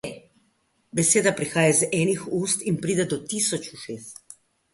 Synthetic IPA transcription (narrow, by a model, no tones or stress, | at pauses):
bɛseːd̪apɾixaːjazɛːnixuːst̪inpɾiːd̪ɛd̪ɔt̪iːsɔt͡ʃuʃeːs